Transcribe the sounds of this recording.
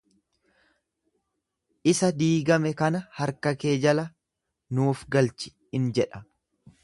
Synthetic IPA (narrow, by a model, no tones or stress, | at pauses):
ʔɪsɐd̪iːɡɐmɛkɐnɐhɐɾkɐke̞ːd͡ʒɐlɐ | nuːfɡɐlt͡ʃɪ̥ | ɪnd͡ʒɛᶑɐ̥